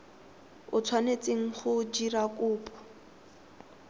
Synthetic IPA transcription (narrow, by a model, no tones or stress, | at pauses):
ʊt͡sʰwanet͡sʼeŋ̩χʊd͡ʒiɾakʼʊːpʼɔ̥